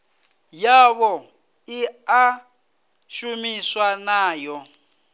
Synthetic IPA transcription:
jaβɔ | ia | ʃumiswanaːjɔ

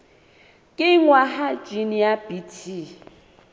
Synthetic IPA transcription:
kʼɪŋwaɦad͡ʒiniabitʰi

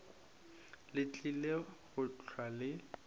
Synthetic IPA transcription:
lɪt͡ɬʼileɣʊt͡ɬʰwalɪ

